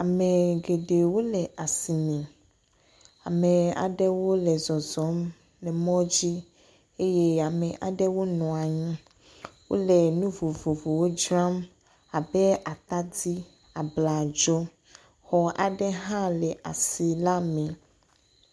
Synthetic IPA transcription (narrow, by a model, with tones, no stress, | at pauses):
a˨me˨ɡe˨ɖe˨wo˦lɛ˨ʔa˨si˨nɛ̃˨ | a̰˨me˨a̰˨ɖɛ˦wo˦lɛ˨zɔ˨zɔ˨˦m | nɛ̃˨mɔ̃˦d͡ʑi˦ | e˦je˦a˨mɛ̃˨ʔa˨ɖɛ˦wo˦nɔ̃˨a˨ɲĩ˦ | wo̰˦lɛ˨nũ˦vo˨vo˨vo˨wo˦d͡ʒɾa˦m | a˨bɛ˦a˨t̪a˦di˦ | a˨bla˨d͡ʒɔ˦ | xɔ˨a̰˨ɖɛ˦ɦã˦lɛ˨ʔa˨si˨la˦mɛ̃˨